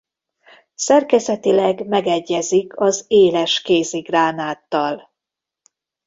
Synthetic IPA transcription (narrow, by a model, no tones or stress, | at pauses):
sɛrkɛzɛt̪ilɛɡmɛɡɛɟːɛzikʰɒzeːlɛʃkeːziɡraːnaːt̪ːɒl